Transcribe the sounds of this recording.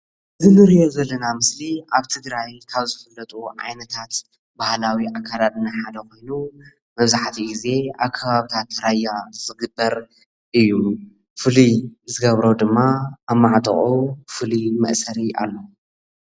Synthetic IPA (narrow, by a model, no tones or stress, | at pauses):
ʔɨzɨnɨɾijo̞zɐlːɐnamɨsliʔaβt̪ʰɨɡɾajkʰaβzɨfɐlːɐt̪ʼuʕa̰jnɐt̪ʰat̪ | bahlawiʔakʰːalat̪ʼɨnːaħad̪ɐxo̞jnu | mɐβzaħt̪ʰiʔize̞aβkʰːɐβaβit̪ʰat̪ːɾajːazɨɡɨbːɐɾ | ʔɨjːu | fɨlizɨɡɐβɾo̞d̪ɨmːaːβmaʕt̪ʼɨ̰χʼufɨlimɐʔsɐɾiʔa̰lːo